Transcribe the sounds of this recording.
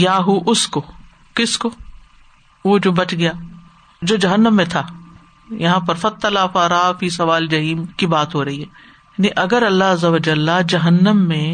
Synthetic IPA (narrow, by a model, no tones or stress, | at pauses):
jaːɦuʔʊsko | kɪsko | ʋoːd͡ʒoːbɐt͡ʃɡɐjaː | d͡ʒoːd͡ʒɐɦənːəmːẽt̪ʰaː | jɐɦãpɐɾfɐt̪ːɐlaːfaːɾafisɐʋaːld͡ʒɐɦiːmkibaːt̪ɦoɾɐɦiɦɛː | jaːniʔɐɡəɾɐlːaɦɐzːɐʋɐd͡ʒəlːad͡ʒɐɦənːəmːẽ